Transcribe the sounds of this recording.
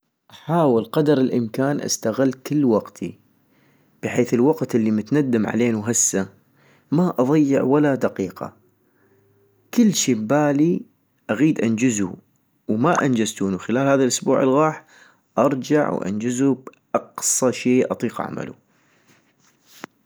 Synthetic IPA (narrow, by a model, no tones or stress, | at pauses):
ʔaħaːwəlqɑd̪ɑɾɪlʔɪmkaːnʔa̰st̪aɣɪlːkɪlːwɑqt̪ʰḭ | b̥ɪħeːθɪlwɑqt̪ʔɪlːimʊt̪nad̪ːamʕa̰leːnuɦasːa | maʔɑðˤɑjːɪʕwalad̪aqiːqa̰ | kɪlːʃiːbaːli | ʔaɣiːd̪ʔand͡ʒɪzṵ | wmaʔand͡ʒazt̪uːnuxɪlaːlhaːðalʔʊsbṵːʕɪlɣɑːħ | ʔɑɾˤd͡ʒa̰ʕwʔa̰nd͡ʒɪzubʔɑqsˤɑʃeːʔɑ̰t̪ˤiːqʔa̰ʕma̰lṵ